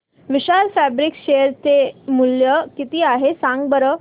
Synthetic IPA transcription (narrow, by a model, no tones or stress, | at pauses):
ʋiɕaɾfæbɾikɕejəɾt͡semuljəkit̪iːaɦesãŋɡ̚bəɾə